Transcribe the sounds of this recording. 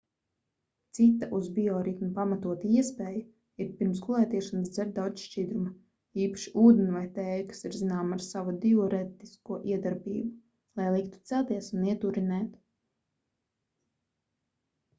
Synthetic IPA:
t̪sit̪ːaʔuzbiɔɾit̪nupamat̪uɔt̪iiɛspɛːju | iɾpiɾmsɡulˠɛːt̪iɛʃansd̪zɛɾd̪aw̪ʃt͡ʃid̪ɾuma | iːpḁʃi̥uːd̪ɛnvajt̪ɛːjkḁsiɾzinaːmaɾsavud̪iɔɾɛt̪iskuɔʔiɛd̪aɾbḭːbu | lˠajlˠikt̪u̥t̪sælˠt̪iɛsuniɛt̪uɾinɛːt̪

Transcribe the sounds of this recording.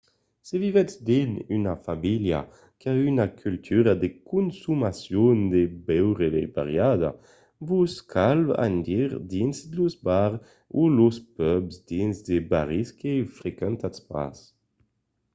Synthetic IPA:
sevivɛt͡sd̪inynafamilja̰ | keaynakʰylt̪ʰyɾad̪ekunsumasjond̪ebɛwʁeeba̰ʁjad̪a̰ | vuskʰalba̰nd̪iʁd̪inzd̪luzbaʁ | uluspœbzd̪inzd̪ebaʁiskefɾekɛnt̪aspa̰s

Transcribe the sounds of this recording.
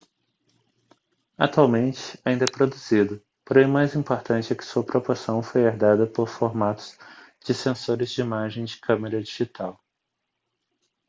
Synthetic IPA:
at̪uawmẽnt͡ʃɪ̥aĩd̪ɐɛpɾod̪uz̥id̪ʊ | poɾẽmajzĩmpoɾt̪ɐ̃nt͡ʃɪɛkɪ̥suɐpɾopoɾsɐ̃w̃fojeɾd̪ad̪ɐpoɾfoɾmat̪ʊ̥z̥ | d͡ʒɪsẽsoɾɪzd͡ʒɪimaʒẽj̃d͡ʒɪkʰɐ̃meɾɐd͡ʒiʒit̪ʰaw

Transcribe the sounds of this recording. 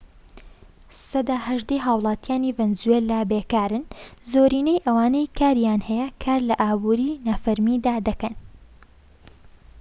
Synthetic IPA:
sɐd̪aːhɐʒd̪ejɦaːwlˠɑːt̪ijaːnivɛnzuwelaːbekaːɾɨnzoːɾiːnejʔɐwaːnejkʰaːɾjaːnhɛjɐkʰaːɾlɐʔaːbuːɾiːnafɐɾmid̪aːd̪ɐkɐn

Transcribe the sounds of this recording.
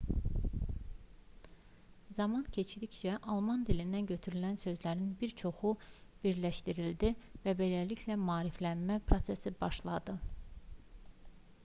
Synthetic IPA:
zɑmɑncʰe̞t͡ʃʰd̪içt͡ʃʰæʔɑlˠmɑnd̪ilind̪ænɟø̞t̪ʰyɾylænsø̞zlæɾinbiɾt͡ʃʰo̞xub̥iɾlæʃt̪iɾild̪ivæbe̞læliçlæmɑːɾiflænmæpʰɾo̞sesibɑʃlˠɑd̪ɯ

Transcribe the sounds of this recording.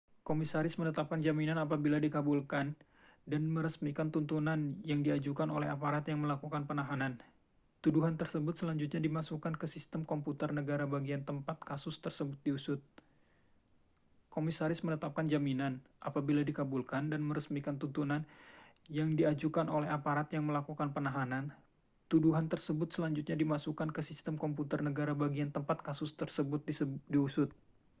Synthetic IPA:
komisaɾɪsmənət̪ap̚kand͡ʒaminanapabiladikabulkan | danməɾəsmikant̪unt̪unanjaŋdiad͡ʒukanolɛɦapaɾat̪jaŋməlakukanpənaɦanan | t̪uduɦant̪ərsəbʊt̪̚səlaɲd͡ʒut̪̬̚ɲadimasukankəsist̪əmkɔmput̪ərnəɡaɾabaɡiant̪əmpat̪̚kasʊst̪ərsəbʊt̪̚diusʊt̪̚ | komisaɾɪsmənət̪ap̚kand͡ʒaminanʔa̰pabiladikabulkandanməɾəsmikant̪unt̪unan | jaŋdiad͡ʒukanolɛɦapaɾat̪jaŋməlakukanpənaɦanan | t̪uduɦant̪ərsəbʊt̪̚səlaɲd͡ʒut̪̚ɲadimasukankəsist̪əmkɔmput̪ərnəɡaɾabaɡiant̪əmpat̪̚kasʊst̪ərsəbʊt̪̚disdiusʊt̪̚

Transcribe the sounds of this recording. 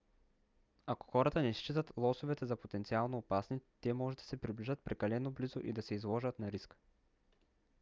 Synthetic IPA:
ako̥xɔɾɐt̪ənɛst͡ʃit̪ət̪lˠɔsovɛt̪ɛzɐpot̪ɛnt̪sialˠnoːpasnit̪ɛmɔʒɛd̪ɐ̥sɛpɾibliʒət̪̚pɾɛkɐlɛnoblizo̰ʔḭd̪ɐsɛizlˠɔʒət̪nɐɾisk

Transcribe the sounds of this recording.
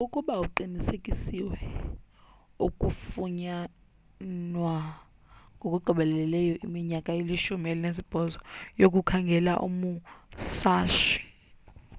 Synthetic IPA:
ukʼuɓauǃinisekʼisiwɛ | ukʼufuɲa | nwa | ŋɡʱokʼuɡ͡ǃʱiɓɛlɛlɛjɔʔimiɲakʼaeliʃumielinezib̥ʱɔzɔjok̬ʼukʰaŋɡʱɛla̰ʔṵmusaːʃi̥

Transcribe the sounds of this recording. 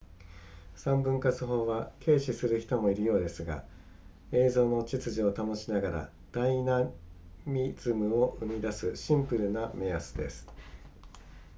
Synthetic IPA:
sãmbɯ̟̃ŋkat͡sɨɦo̞ːβakʰe̞ːɕisɨɾɯ̟çi̥t̪o̞mo̞iɾɯ̟jo̞ːd̪e̞sɨɡa̰ | e̞ːzo̞ːno̞t͡ɕit͡sɨʑio̞t̪amo̞ɕinaɡaɾa̰ | d̪̥ainamʲid͡z̥ɨmɯ̟o̞ʔɯ̟mʲid̪asɨɕĩmpɯɾɯ̟name̞asɨd̪e̞̰sɨ̥

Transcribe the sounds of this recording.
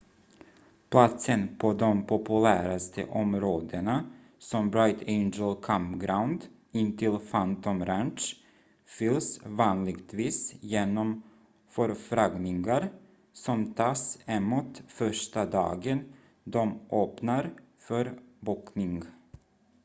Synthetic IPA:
pʰlat̪sənpʰɔd̪ɔmpʰɔpɵlæːɾast̪ʰə̰ʔɔmɾoːd̪əna | sɔmbɾɔɪt̪ʰɛɪnd͡ʒəlkʰampɡɾawnd̪ | ɪnt̪ʰɪlfant̪ɔmɾant͡ʃ | fʏlsvɑːnlɪɡt̪ʰviːsjeːnɔm | fœɾfɾaɡnɪŋɡaɾ | sɔmt̪ʰɑːsɛmːut̪fœʂʈad̪ɑ̰ːɡən | d̪ɔmʔøːpnaɾ | fœɾbuknɪŋ

